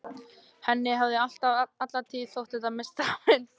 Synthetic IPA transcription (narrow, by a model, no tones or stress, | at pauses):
hɛnːɪɦavðɪal̥t̪avat̪laɾt̪ʰiːðθowht̪ɛht̪amɪst̪aɾɪn